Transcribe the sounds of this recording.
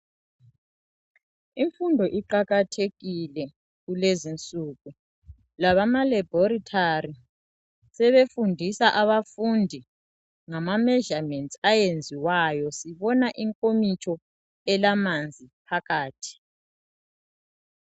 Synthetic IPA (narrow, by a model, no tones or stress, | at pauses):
iɱfundʱɔʔiǃaɣatʰeɣilɛ | ɣulezint͡sʼuɣu | laβamalɛbʱɔɾitʰari | sɛβefundʱisaʔaβafundʱi | ŋamamɛʒamɛntʰʼajend͡zʱiwajɔsiβɔnaʔiŋkʼomit͡ʃʰʼɔ | ɛlamand͡zʱipʰaɣaːtʰi̥